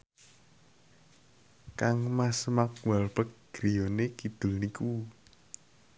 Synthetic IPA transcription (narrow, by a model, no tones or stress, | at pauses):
kaŋmasmakwalb̥ək̚ɡ̥ɾijonekid̪̥ulniku